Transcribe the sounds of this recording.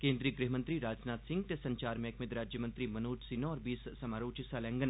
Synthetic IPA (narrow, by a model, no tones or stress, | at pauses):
kẽːnd̪ɾiːəɡɾɪɦmɐ̃nt̪ɾiɾaːd͡ʒnaːt̪sɪ̃ŋɡ̚t̪esɐ̃ɲt͡ʃaːɾmeɐkmɪd̪ɾaːd͡ʒjəmɐ̃nt̪ɾimɐnuːʈʰsinoɔːɾbiːssɐmaːɾoːt͡ʃɪsalɛ̃ːŋɡən